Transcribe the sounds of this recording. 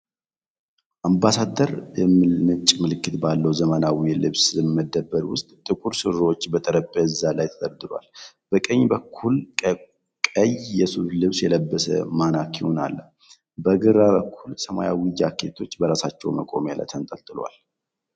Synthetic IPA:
ʔambasad̪əɾmmɨt͡ʃʼmɨlɨkːɨt̪balːəwzəmənawilɨβsɨmːəd̪ːəbːəɾwʊst̪ʼt̪ʼɨkʼuɾsɨɾot͡ʃːbət̪ʼəɾəpʼːəɨzːalajt̪ʰə̥d̪əɾd̪ɨɾwa̰l | b̥əkʼəɲːbəkʰːul | kʼəjjɛsulɨβsjɛləbːəsə̰manakjɪho̞na̰lːə | bəɡɨɾaβəkʰːulsəmaja̰wijakʰːet̪ʰo̞t͡ʃːbəɾasat͡ʃːɛwməkʼo̞̰mjalə̰t̪ʰənt̪ʼəlt̪ʼɨlwa̰l

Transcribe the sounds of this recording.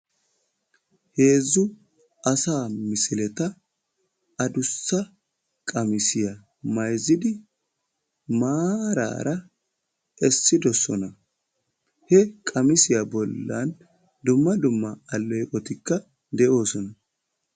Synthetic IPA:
he̞ːzːʊ | ʔɐsaːmɪsɪlɛt̪ɐ | ɐd̪ʊsːɐ | kʼɐmɪsɪjɐ | mɐjzɪd̪ɪ | maːɾa̰ːɾʔɐ | ʔɛsːɪd̪ɔsɔ̰nɐ | hɛkʼɐmɪsɪjɐbɔlːɐn | d̪ʊmːɐd̪ʊmːɐːlːɛjkʼɔt̪ɪkːɐ | d̪ɛʔo̞ːsɔnɐ

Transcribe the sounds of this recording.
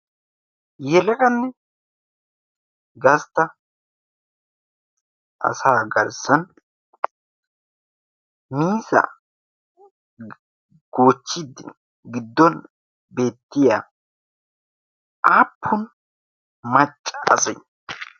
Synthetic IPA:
jɛlɐkɐnːɛ | ɡɐst̪ːɐ | ʔɐ̰saːɡɐɾsɐn | miːsɐ̰ | ɡ̥oːt͡ʃːɪd̪ɪ | ɡɪd̪ːɔn | be̞ːt̪ːɪja̰ː | ʔaːpʰːʊn | mɐt͡ʃʼːɐɐ̰sɐj

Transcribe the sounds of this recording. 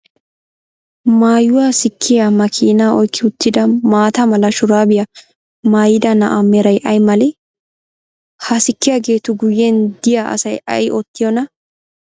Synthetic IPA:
maːjʊwaːsɪkʰːɪjamɐkʰiːnaːɔjkʰːɪʊt̪ːɪd̪ɐmaːt̪ɐmɐlɐʃʊɾaːbɪjɐ | maːjɪd̪ɐnɐ̰ʔamɛɾɐjʔɐjmɐlɪ | hɐsɪkːɪjaːɡe̞ːt̪ʊɡʊjːɛnd̪ɪjaʔɐ̰sɐjɐ̰jʔɔt̪ːɪjɔnɐ

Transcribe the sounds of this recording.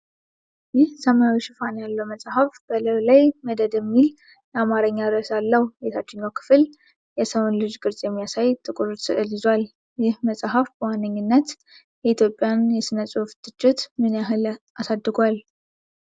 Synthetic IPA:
jɪhsəmajwiʃɪfanjalːəwməsʼhəfb̥ələwlajməd̪əd̪jɛmːil | amaɾəɲːad̪ɨɾəsalːəhbet̪ʰat͡ʃːɪɲːawkʰɨ̥fɨl | jɛsəwonlɨd͡ʒɡɨɾsʼjɛmːijasajt̪ʼːɨkʼɨɾusɨʔɨlizwal | jɪhməsʼaɦəfbəwanːəɲːɨnːət̪ | jɛit̪ʰjo̞pʼjanjɛsɨnəsʼuft̪ʰʼːɨt͡ʃʼːɪt̪mɨnjaɦɨlʔasad̪ːɨɡʷal

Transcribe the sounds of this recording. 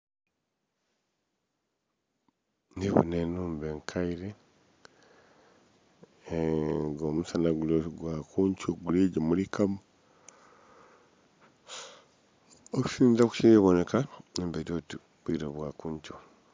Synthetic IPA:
niβo̰nenuːmbeŋkʰaiɾe | ɡomusanaɡuloɡwakuːɲcoɡuliɟamulikʰamu | oku̥siːnzaku̥ʃiβone̞kanembeiɾoti | βwiɾoβwakuːɲt͡ʃo

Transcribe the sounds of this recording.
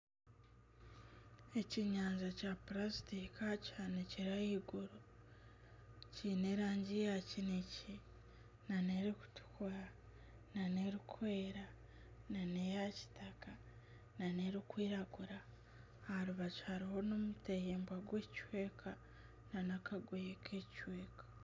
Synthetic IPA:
e̞ciɲaːnzacaplasitikacaneciɾajiɡuɾo | cine̞ɾaːɲɟijacinici | naneɾiku̥tu̥kuɾa | naneɾikʰwe̞ːɾa | nanejaci̥taka | naneɾikwiːɾaɡuɾa | haɾuβachaɾiho̞nomutejeːmbwaɡwecwe̞ːkʰa | nanakaɡwejekʰecweːkḁ

